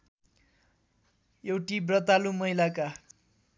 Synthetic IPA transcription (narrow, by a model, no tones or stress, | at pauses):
jewʈibrʌt̪alumʌjlaka